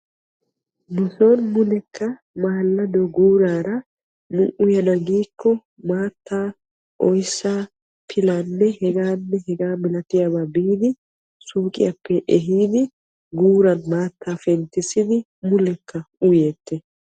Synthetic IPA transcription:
mʊsoːnmʊlɛkːɐ | maːlːɐd̪ɔɡuːɾaːɾɐ | mʊʔʊjɐnɐɡiːkːɔ | maːt̪ːaː | ʔɔjsːaː | pʰɪlaːnːɛhɛɡaːnːɛhɛɡaːmɪlɐt̪ɪjɐbabiːd̪ɪ | suːkʼɪ̰jɐpːɛʔɛɦiːd̪ɪ | ɡuːɾɐnmaːt̪ʰːaːfɛnt̪ːɪsɪd̪ɪ | mʊlɛkʰːɐʊjeːt̪ːɛ

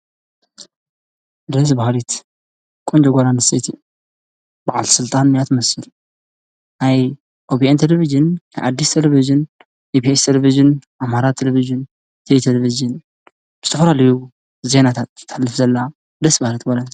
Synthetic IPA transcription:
d̪ɐs̬bahlit̪ | kʼond͡ʒoɡʷalanɨset̪ʰi | b̥aʕa̰lsɨlt̪ʼanmijat̪ʰmɐsɨl | naj | ʔobiʔent̪ʰeleβiʒɨnajʔa̰d̪ːist̪ʰeleβiʒɨn | best̪ʰeleβiʒɨnʔamaɾat̪ʰːeleβiʒɨn | t̪ʰɐjt̪ʰeleβizɨn | b̥zɨt̪ʰɐfɐlalɐju | ze̞nat̪ʰat̪ːalːɨfzɐlːa | d̪ɐsbahlit̪ɡʷalan

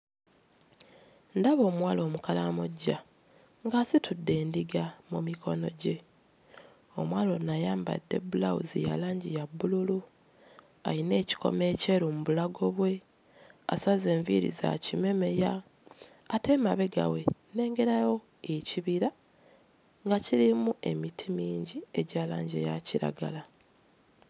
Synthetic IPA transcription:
ndaβo̞ːmwaːlo̞ːmukalamoɟːa | ŋɡasitʰudːe̞ːndiɡamumikʰo̞̰no̞̰ɟe̞ | o̞mwaːlo̞najaːmba̰dːe̞̰bulaṵzḭja̰laːɲɟijabːululu | a̰ine̞ːci̥ko̰me̞ːce̞ɾumuβulaɡo̞βwe̞ | a̰saze̞ːɱvḭɾḭza̰cime̞me̞jaː | te̞maβe̞ɡa̰we̞ne̞ːŋɡe̞ɾajo̞ | eciβiɾa | ŋɡaciɾimue̞mitʰimiːɲɟie̞ɟaːla̰ːɲɟḛjaciɾa̰ɡa̰la

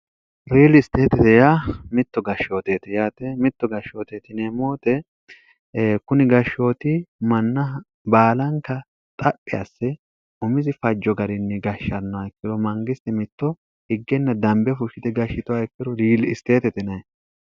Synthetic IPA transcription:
ɾiːlɪst̪eːt̪ɛt̪ɛjamɪt̪ːɔɡɐʃːo̞ːt̪eːt̪ɪjaːt̪ɛmɪt̪ːɔɡɐʃːoːt̪eːt̪ɪnɛmoːt̪ɛ | kʊnɪɡɐʃːo̞ːt̪ɪmɐnːɐ | baːlɐŋkːɐ | t̪ʼɐpʼːɪjɐsːɛ | ʊmɪzɪfɐd͡ʒːɔɡɐɾɪnːɛɡɐʃːɐnːɐɐkːɪd̪ɔmɐŋɡɪst̪ɛmɪt̪ːɔ | hɪɡːɛnːɐd̪ɐmbɛfʊʃɪt̪ɛɡɐʃːɪt̪ʊaɛkːɪɾɔɾiːlɪst̪eːt̪ɛt̪ɛnɐj

